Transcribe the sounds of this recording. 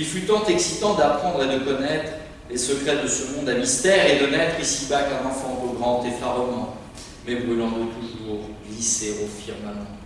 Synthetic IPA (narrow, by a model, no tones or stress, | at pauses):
ilfyt̪ɑ̃t̪eksit̪ɑ̃d̪apχɑ̃d̪ʁed̪əkɔnɛt̪χ | lesəkχɛd̪əsəmɔ̃d̪amist̪ɛʁed̪ənɛt̪χisibakãnɑ̃fɑ̃boɡʁɑ̃t̪efaʁɔnɑ̃ | mɛbʁylɑ̃d̪ət̪uʒuːʁɡliseʁofiʁmamɑ̃